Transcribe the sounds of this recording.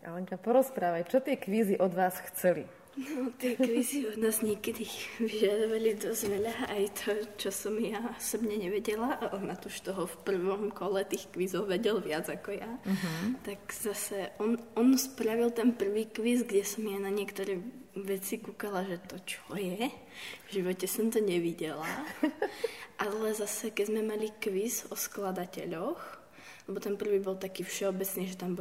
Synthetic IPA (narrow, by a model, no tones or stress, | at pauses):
ʔa̰lɛŋkapɔɾɔspɾaːʋact͡ʃɔt̪ɪɛkʋiːziʔɔd̪ʋaːsxt͡sɛlḭ | nɔt̪ɪɛkʋiːziɔd̪naːzɲɛkɛd̪iʋiʒad̪ɔʋalid̪ɔzʋɛʎaajt̪ʰɔt͡ʃɔsɔmjaɔsɔbɲɛɲɛʋɛɟɛlaʔaʔɔnat̪uʃt̪ɔɦɔfpr̩ʋɔmkɔlɛt̪iːxkʋiːzɔʊʋɛɟɛlʋɪad͡zakɔjaɦt̪aɡz̥asɛʔɔnɔnspɾaʋilt̪ɛnpr̩ʋiːkʋizɡɟɛsɔmjanaɲɪɛkt̪ɔɾɛːʋɛt͡sikukalaʒɛt̪ɔt͡ʃɔjɛ | vʒiʋɔcɛsɔmt̪ɔɲɛʋiɟɛla | ʔalɛzasɛkɛzmɛmalikʋizɔsklad̪acɛ̰ʎɔx | lɛbɔt̪ɛnpr̩ʋiːbɔlt̪akiːfʃɛɔbɛt͡sniːʒɛt̪ambɔ